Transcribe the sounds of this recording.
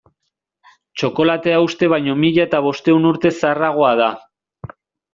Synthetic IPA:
t͡ʃo̞ko̞lat̪e̞aust̪e̞β̞ajɲo̞miʎaet̪aβ̞o̞st̪e̞unuɾt̪e̞saraɣ̞o̞að̞a

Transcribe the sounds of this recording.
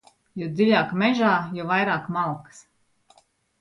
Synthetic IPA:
jɔd̪ziʎʲaːkmɛʒaːjɔvajɾaːkmalˠks

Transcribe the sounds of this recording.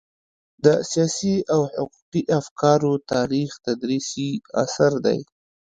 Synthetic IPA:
d̪əsijɑsiawħʊqu̥qiʔafkɑɾot̪ɑɾixt̪ad̪ɾisia̰saɾd̪a̰j

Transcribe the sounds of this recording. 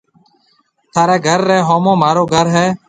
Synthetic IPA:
t̪ʰaːɾeːɡʱəɾːeːɦoːmõːmaːɾoːɡʱəɾɦɛː

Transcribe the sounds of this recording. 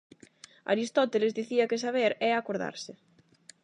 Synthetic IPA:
a̰ɾist̪ɔt̪elezd̪iθiɐkɪs̬aβ̞eɾɛakoɾða̰ɾsɪ

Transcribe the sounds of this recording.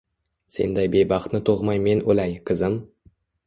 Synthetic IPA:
sḛnd̪æjbejbɑχt̪nɪt̪ʰoʁmɑjme̞nʔɵlæjkʲʰɪzɪm

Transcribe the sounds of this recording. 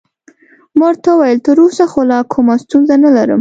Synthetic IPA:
maɾt̪awajəlt̪əɾosaxolɑkʰumast̪unzanalaɾə̰m

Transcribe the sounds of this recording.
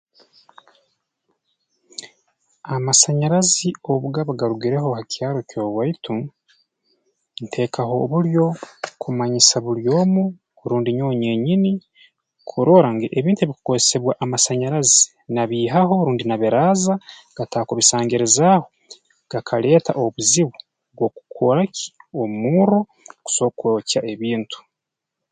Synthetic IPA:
amasaɲaɾazioβuɡaβaɡaɾuɡiɾe̞ɦo̞hacʰjaːɾocoβwaitu | ntʰe̞kʰaho̞ːβuɾjo̞kumaɲisaβuɾjo̞ːmu | ɾuːndiɲo̞ːɲe̞ɲini | kʰuɾoːɾaŋɡeʔeβiːntueβiku̥kozese̞βwaʔamasaɲaɾazi | naβiːɦaɦo̞ɾuːndinaβiɾaːzaɡ̥atakoβisaːŋɡeɾezaːho | ɡ̥akʰale̞ːta̰ʔoβuziβu | βwoku̥kʰoɾaci̥omuɾo̞ | ku̥so̞kocaʔeβiːntʰu̥

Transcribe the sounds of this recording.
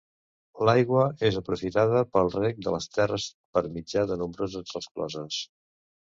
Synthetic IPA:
lajɣwəezəpɾufit̪aðəpəlˠrɛk̚d̪ə̰ləst̪ɛrəs | pəɾmid͡ʒaðənumbɾozəzrəsklɔ̰zəs

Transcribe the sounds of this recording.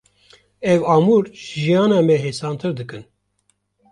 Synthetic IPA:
ɛvɑːmuɾʒʒijɑːnɑːmɛɦeːsɑːnt̪ʰɨɾd̪ɨkɨn

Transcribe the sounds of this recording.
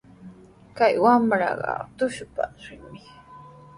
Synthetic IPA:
kajwamɾɑ̰ɢɑ̰t̪ʊʃpaɾɪŋmɪ

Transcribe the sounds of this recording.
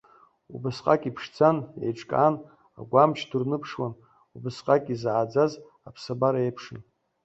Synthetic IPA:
ṵbɨsqʼakʼipʰʂd͡zʰanḛjʈ͡ʂʼkʼa̰n | a̰ɡʷamt͡ʃʰdurnɨpʰʂwan | ubɨsqʼakʼizʕad͡zaz | apʰsabaɾaejpʰʂɨn

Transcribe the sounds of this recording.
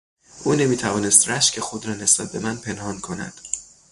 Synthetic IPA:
ʔuːne̞miːt̪ʰævɒːnest̪ræʃcʰexod̪ɾɒːne̞sb̥æt̪̚be̞mænpʰe̞nhɒːnkʰo̞næ̰d̪̥

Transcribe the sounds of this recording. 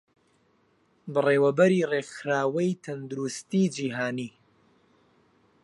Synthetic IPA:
bɨreːwɐbɐɾiːrexɾaːwɐjt̪ʰɐnd̪uɾust̪iːd͡ʒiːɦaːniː

